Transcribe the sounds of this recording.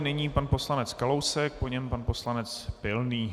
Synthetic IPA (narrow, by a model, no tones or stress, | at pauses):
nɛɲiːpanpo̞slanɛt͡skalo̞wsɛk̚poɲɛmpanpo̞slanɛt͡spɪlniː